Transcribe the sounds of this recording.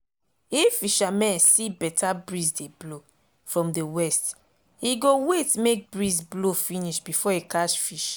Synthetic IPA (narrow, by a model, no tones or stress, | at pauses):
ifiʃamɛ̃nsibɛtʰabɹizdeblo | fɹɔ̃mdəwɛst | iɡowetmek̚bɹizblofĩniʃbifɔikaʃfiʃ